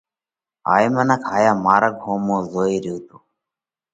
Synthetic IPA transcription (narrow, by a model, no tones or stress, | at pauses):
a̰ːimənaːkʰaːjaːmaːɾəɡ̚ɦoːmoːzoːiːɾiːt̪uː